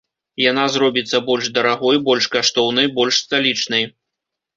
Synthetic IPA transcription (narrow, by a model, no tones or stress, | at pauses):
janazɾɔbʲit̪sːɐbɔlʲʐd̪ɐɾaɣɔjbɔlʲʂkaʂt̪ɔwnɐjbɔlʲʂst̪alʲit͡ʂnɐj